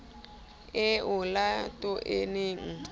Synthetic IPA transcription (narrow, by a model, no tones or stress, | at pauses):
eʊlatʊʔḛneŋ̩